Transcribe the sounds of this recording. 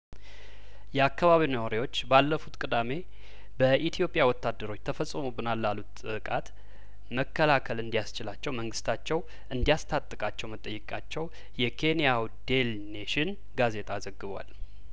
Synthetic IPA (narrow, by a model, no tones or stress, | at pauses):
jɛakːaβaβinawaɾiwo̞t͡ʃːbalːəfut̪kʼɨd̪ame̞ | bəʔit̪ʰijo̞pʼjawɔt̪ːad̪ːəɾo̞t͡ʃːt̪ʰəfəsʼːəmubɨnalːalut̪ɨkʼat̪ | məkʰːəlakʰəlɨnd̪ijast͡ʃɪlat͡ʃːɛwməŋɡɨst̪ʰat͡ʃːɛw | ʔɨnd̪ijast̪ʰat̪ʼːɨkʼat͡ʃːɛwmət̪ʼːəjːɨkʼa̰t͡ʃːɛw | jɛkʰe̞nijawd̪e̞l | neʃɪn | ɡaze̞t̪ʰʼazəɡːɨβwa̰l